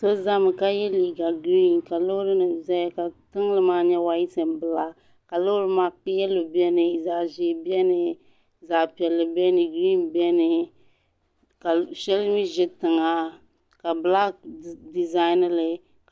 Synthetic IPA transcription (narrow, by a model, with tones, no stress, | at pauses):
so˦za˦mɨ˨ka˦jɛ˦liː˨ɡa˨ɡɾi˦nka˨lo˦ɾɨ˦nɨ˨zɛ˦jka˨tɨ˦ŋ˦lɨ˦maː˦ɲɛ˦wa˦ji˦sɨ˨mbɨ˦la˦ | ka˨lo˦ɾɨ˦maː˨k͡pɪ˦ɛ˦lɨ˨bi˦ɛ˦nɨ˨za˨ʒɪ˨bi˦ɛ˦nɨ˨ | za˨pi˨ɛ˨lːɨ˨bɛ˦nɨ˨ɡɾi˦nbi˦ɛ˦nɨ˨ | ka˨ʃɛ˦lɨ˦mi˦ʒɪ˦tɨ˨ŋa˦ | ka˨bɨ˨la˦di˨za˦ɪ˦nɨ˦lɨ˨